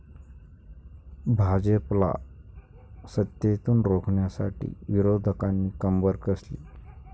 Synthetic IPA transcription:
bʱad͡ʑəpla̰ | sət̪jet̪uːnɾokʰɳjasaʈḭːʋiɾod̪ʱəkanːiːkəmbəɾkəslḭ

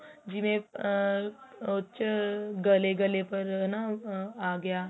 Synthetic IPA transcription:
d͡ʒɪmẽ | ʊt͡ʃɡɐleɡɐlepɐɾnaaːɡɐjaː

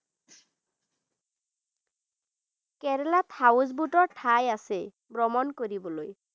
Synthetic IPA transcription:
kɛɾelat̪ʰawuzbuʈɔɹʈʰajase | bɹɔmɔnkoɾibɔloj

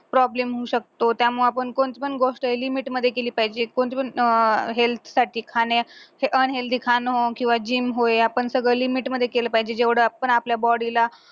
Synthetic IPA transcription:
pɾɔblemɦuːɕək̚t̪ot̪jamuɭapəɳkoɳt͡spəɳɡoʂʈəelimiʈməd̪ʱːjekeliːpaɦid͡ʑekoɳt͡spənɦelt̪ʰsaʈʰiːkʰaneheʔənɦelt̪ikʰanɦokĩw̃ʋad͡ʑiːmɦoeapəɳsəɡɭəlimiʈməd̪ʱːjekeləːpaɦid͡ʑed͡ʑeʋɽəapəɳapljabɔɽila

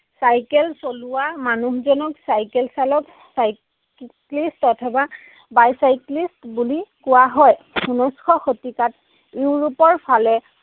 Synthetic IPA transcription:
sajkɛlsolʊwamanuhzɔnɔksajkɛlsalɔk | saj | klistɔtʰɛba | bajsajklistbulikʊwaɦɔj | unɔskʰɔxotikat | iʊɹupɔɹpʰalɛ

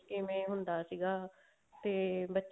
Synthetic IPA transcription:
keːmẽːɦʊnd̪aːsiːɡaː | t̪eːbətːʃ

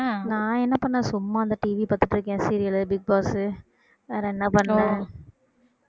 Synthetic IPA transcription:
nãːɛnːɐpɐɳːãːsʊmːaːɐnd̪ɐʈiʋipɐɾt̪ːɯʈːɾɯkːẽːsiːɾɪjɐlɯbɪɡ̚baːsɯ | ɐɾɛnːɐpɐɳːõ

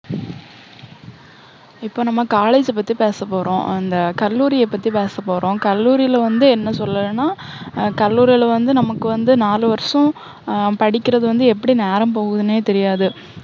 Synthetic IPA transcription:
ɪpːoːnɐmːɐkaːleːd͡ʒɛp̬ːɐt̪ːipeːsɐpːoːɾõ̰ːɐnd̪ɐkɐlːuːɾɪjɐpːɐt̪ːipeːsɐpːoːɾõːkɐlːuːɾɪjɪlʋɐnd̪ɯɛnːɐsɔlːɐlɯnːaː | kɐlːuːɾɪɪlɐʋɐnd̪ɯnɐmɐkːɯʋɐnd̪ɯnaːlɯʋɐɾɐʂɔ̃ | pɐɽɪkʲːɪɾɐðɯʋɐnd̪ɯɛpːɐɽineːɾɐmpoːɣɯðɯneːt̪ɛɾɪjaːðɯ

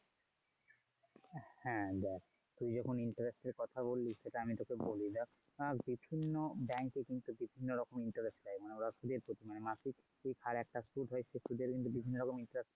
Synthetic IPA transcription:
hɛ̃d̪ɛ | t̪ujd͡ʑɔkʰoniɳʈaɾesʈeɾkɔt̪ʰabolːiʃʃeʈaamit̪okebolid̪a | abibʱinːobɛŋkekint̪ubibʱinːoɾɔkomiɳʈaɾesʈʈajmaneɾɔʃud̪eɾpɾot̪imanemasik | ʈʰikhaɾɛk̚ʈasuɖɦɔeʃʰesud̪eɾkint̪̬ubibʱinːoɾɔkomiɳʈaɾesʈ

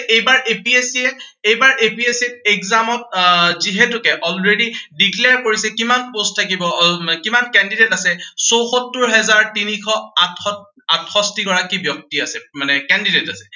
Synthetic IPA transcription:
ʔejbaɹʔepiesiɛejbaɹʔepiesit̚ekzamɔt̚ziɦetʊkɛʔɔlɹedidikleaɹkoɹisɛkimanposttʰakibɔkimankɛndidetasɛsowxotːuɹɦɛzaɹtinikʰɔatɔ | atxɔstiɡɔɹakibjɔk̚tiasɛmanɛkɛndidetasɛ̥

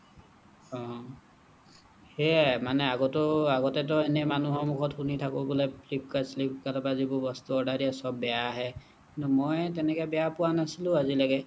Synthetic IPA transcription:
ɔ̃ | hɛmanɛaɡɔtɔaɡɔtɛt̬ɔenɛmanuɦɔmukʰɔtxunitʰakɔbulɔplip̚kaslipkaɾabazibɔbɔst̪uɔɖaɹiasɔbːɛjaːɦɛ | kintumɔjt̬ɛnɛkɔbɛjapʊwanasilʊ̃azilaɡɛ

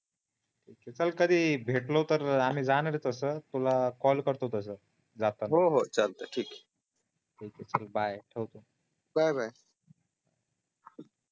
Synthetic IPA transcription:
ʈʰiːket͡səlkəd̪ʱiːbʱeʈlot̪əɾam̤iːd͡zanɾet̪əsət̪ulakɔlkəɾt̪ot̪əs̬ə | d͡zat̪ənɦoɦot͡ɕəlt̪əʈʰiːk | ʈʰiːket͡səlbajʈʰewt̪o | bajbʱaj

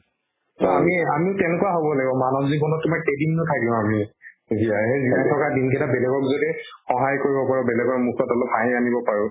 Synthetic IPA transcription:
tɔamiamiʊtɛnekuaɦobɔlaɡibɔmanɔzibɔnɔtːumaɹkedimnɔtʰakilʊ̃ami | ziaɦezinajtʰɔkadinkɛtabɛlɛɡɔkzodixɔ̃ɦajkoɹibɔpaɹɔbɛlɛɡɔɹmuk̚ʰtɔtɔlɔp̚baɦĩanibɔpaɹʊ̃

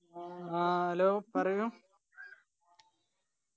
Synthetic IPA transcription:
aɐloːpɐrɐjum

